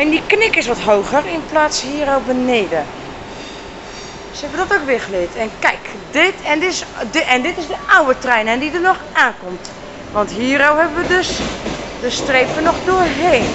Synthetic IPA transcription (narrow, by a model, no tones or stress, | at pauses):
ɛndiknɪkɪs̬ʋɔtɦoːɣərɪnplaːtshiːəɾowbəneːdə | sɛbʋədɔtokʋɪxəlɪːtʰɛnkɛjk | dɪtɛndɪsɛndɪtɪsdəʔawətrɛjnəndidərnɔxaːnkɔmt | ʋɔntɦiːəɾowhɛbənʋədøsdəstreːpʋənɔxdoːrɦeːn